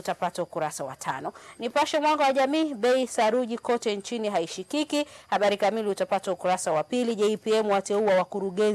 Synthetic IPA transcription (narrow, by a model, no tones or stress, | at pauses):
utapataukuɾasawa̰tʰanɔnipaʃɛmwaŋɡawaʄamiːɓɛisaɾuʄikɔtɛnt͡ʃiniɦaiʃikikihaɓaɾikamiliutapataukuɾasawapiliʄɛpiɛmuwatɛuawakuɾuɠɛn